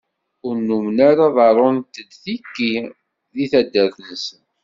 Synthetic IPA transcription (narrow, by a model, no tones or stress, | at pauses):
ʊɾnːumnaɾaðˤɑɾˤʊnt̪əd̪θikːi | ðiθæd̪ːəɾθənsən